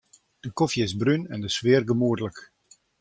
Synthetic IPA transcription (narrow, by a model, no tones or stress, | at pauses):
d̥əkɔfjəɪzbrynɛndəsʋɪərɡəmuərdələk